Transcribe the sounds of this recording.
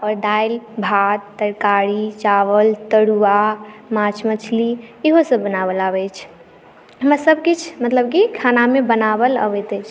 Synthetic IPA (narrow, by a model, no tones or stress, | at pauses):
ɔɾɖajlbʱat̪ːəɽkaɽit͡ʃaʋəlt̪əɽuamat͡ʃʰmət͡ʃʰliiɦosə̃bənaβəlabɛt͡ʃʰ | ɦəmɾasəb̚ʱkit͡ʃʰmət̪ləb̚kikʰanamebənabələ̰bɛt̪ɛt͡ʃʰ